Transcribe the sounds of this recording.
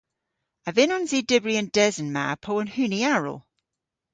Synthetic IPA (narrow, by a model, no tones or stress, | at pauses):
əvɪnɔnziːdɪbɹiə̃nd̥ɛzənma̰pʰoːə̃nhʉniaɹə̰lˠ